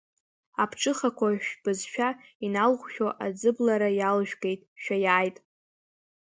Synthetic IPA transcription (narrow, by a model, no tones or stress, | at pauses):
apʰʈ͡ʂʰʼɨχakʷaʒᶣb̥ɨzʃᶣainalχʷʃʲᶣoʔad͡zɨblaɾajalʒᶣɡe̞jtʼʃᶣajaːjtʼ